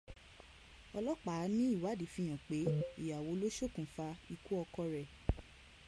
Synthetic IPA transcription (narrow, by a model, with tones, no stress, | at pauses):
ɔ˧lɔ˦k͡pa˨˦nĩ˦i˦˨wa˨˦di˨˦fĩ˧j̃ã˨k͡pe˨˦i˦˨ja˨wo˨˦lo˦ʃo˦˨kũ˨fa˧i˧ku˦ɔ˧kɔ˧ɾɛ˨